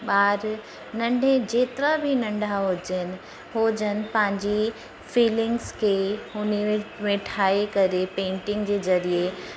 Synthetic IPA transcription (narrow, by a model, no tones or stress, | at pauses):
ɓaːɾ | nɐ̃ɳɖʱẽd͡ʑeːt̪ɪɾabʱinɐ̃ɳɖʱaɦoːd͡ʑəɪnɪ̆ | ɦoːd͡ʑənɪ̆pɐ̃ɦɪ̃ɲd͡ʑi | fiːlɪ̃ŋɡskʰeʊnimẽʈʰaːekɐɾepẽːɳʈɪ̃ŋɡd͡ʑeːzɐɾie